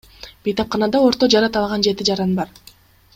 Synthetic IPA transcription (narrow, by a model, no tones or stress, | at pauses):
b̥ejt̪ɑp̚qɑnɑd̪ɑo̞ɾt̪o̞d͡ʒɑɾɑt̪ɑlˠʁɑnd͡ʒe̞t̪id͡ʒɑɾɑnbɑɾ